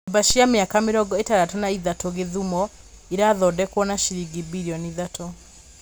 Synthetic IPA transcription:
baʃiameakamɪɾɔɡɔetaɾatɔnaiðatoɣeðumɔ | iɾaðɔdɛkwɔnaʃiɾiɡibiɾiɔniðatɔ

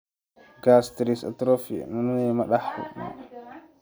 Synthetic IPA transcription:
ɡastɾisa̰tɾofḭnɔnunɛmaɗahṵɗṵ

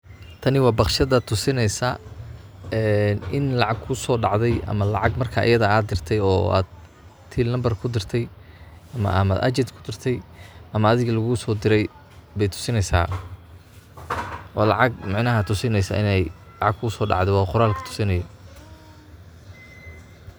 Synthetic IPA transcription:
t̪ʰɐnɪwɑːbɑχʃɐðɐt̪ʰʊsɪnɛjsa | ɛːnɪnlɑʕɑɡ̚kʰʊsɔːɖɑʕðɛjʔɐ̰mɐlɑ̰ʕɑɡmɐrkʰaʔɪ̰jɐðɐaːd̪̚d̪ɪrt̪ʰɛjɔ̰ːa̰ːd̪ | t̪ʰiːlnɐmbɐrkʰʊd̪ɪrt̪ʰɛj | ɐmɐ̰ʔɐmɐ̰ʔɐ̰t͡ʃɛd̪kʰʊd̪ɪrt̪ʰɛjʔɐmɐːðɪɣɐlɐɣʊsɔːd̪ɪɾɛj | bɛjt̪ʰʊ̥sɪnɛjsa̰ː | ʔɔːlɑ̰ʕɑɡ̚mɑʕnɐɦɐt̪ʰʊsɪnɛjsa̰ːʔɪnɛj | lɑʕɑɡ̚kʰʊʊsɔːɖɑ̰ʕd̪ɛwɑːqʊɾaːlkʰɐ̥t̪ʰʊ̥sɪnɐjɔ

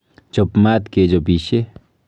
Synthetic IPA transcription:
t͡ʃopmat̪ked͡ʒobiʃe

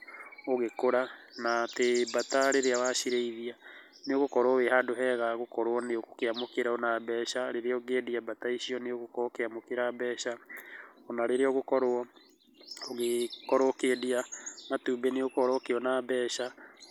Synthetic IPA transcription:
oɣekoɾanatebataɾeɾeawaʃiɾeiðia | neoɣokɔɾwɔwehadoɦɛɣaɣokɔɾwɔneoko̥keamokeɾaonabɛːʃaɾeɾeɔɡediabataiʃiɔneoɣokokeamokeɾabɛːʃa | onaɾeɾeɔɣokɔɾwɔ | oɣekɔɾokediamatuːbeneokɔɾɔkeɔnabɛːʃa

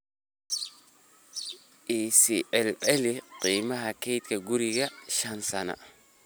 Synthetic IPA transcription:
ʔiːsiʕɛlʕɛlɪqiːmɐɦɐkʰɛjt̪kʰɐɡʊɾɪɣɐʃɐnsɐnɐ̰

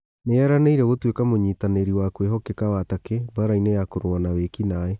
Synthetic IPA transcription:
neɛɾaneiɾɛɣotwekamoɲiːtaneɾiwakweɦɔkekawatakebaɾainejakoɾwanawekinaɛ

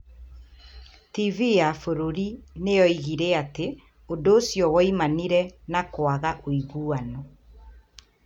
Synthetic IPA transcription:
tivijafoɾoɾinejɔiɣiɾeate | odoːsjɔwɔimaniɾɛnakwaɣaʔoiɣuanɔ

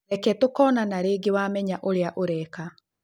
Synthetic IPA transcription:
ɛkɛtokɔːnanaɾeːɡewamɛɲaʔoɾeaʔoɾɛka

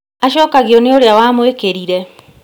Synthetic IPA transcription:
aʃɔːkaɣeɔneoɾeawamwekeɾiɾɛ

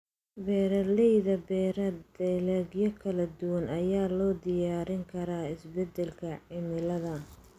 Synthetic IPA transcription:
bɛːɾɐlɛjðɐbɛːɾɐd̪ɛlɛɡjɔkʰɐlɐd̪ʊwɐnʔɐjaːlɔːd̪ɪjaːɾɪŋkʰɐɾaːɪsbɛd̪ɛlkʰɐʕɪmɪlɐðɐ

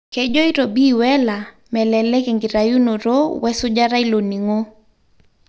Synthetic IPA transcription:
kɛd͡ʒɔiɾobiwɛla | mɛlɛlɛkɛŋɡiɾajunɔɾowɛsʊd͡ʒaɾailoniŋo

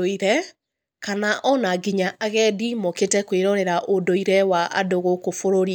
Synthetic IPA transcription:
oiɾɛ | kanaʔɔnaɡiɲaʔaɣɛdimoketɛkweɾɔɾɛɾaʔodoiɾɛwaʔa̰doɣokofoɾoɾi

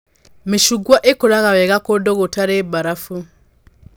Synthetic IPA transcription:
miʃuɡwaʔekoɾaɣaβɛɣakodoɣotaɾebaɾafu

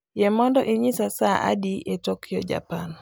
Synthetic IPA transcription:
jɛmɔndɔʔiɲisasaʔa̰diʔɛtɔkiɔ̰d͡ʒa̰pan

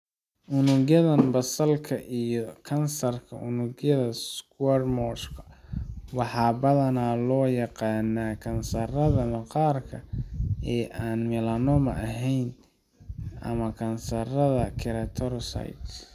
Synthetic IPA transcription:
ʔʊnʊɣjɐðɐnbɐsɐlkʰɐʔijɔkʰɐnsɐrkʰɐʔʊnʊɡjɐðɐskwɛrmɔʃkʰɐ̥wɑħɑːbɐðɐnaːlɔːjɑqɑːnːaːkʰɐnsɐrɐðɐmɐqɑːrkʰɐɛːʔaːnmɪlɐnɔmɐ̰ʔɐɦɛjn | ʔɐ̰mɐkʰɐnsɐrɐðɐkʰɪɾɐt̪ʰɔɾsɐ̰jt̪

